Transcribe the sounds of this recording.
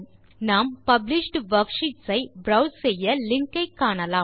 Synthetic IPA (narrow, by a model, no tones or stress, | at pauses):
naːmpɐblɪʂʈʋɐkʂiʈsɐɪbɾɐwssɛjːɐlɪŋkɐɪkːaːɳɐlaː